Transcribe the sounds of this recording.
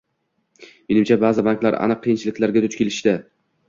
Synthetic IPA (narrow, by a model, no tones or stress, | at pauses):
menɪmt͡ʃʰabaːzɪbaŋkʲlaɾa̰nɨqʰːɨjɪnt͡ʃʰɪlɪkʲlaɾɡʲat̪ʰʊt͡ʃkʲelɪʃt̪ɪ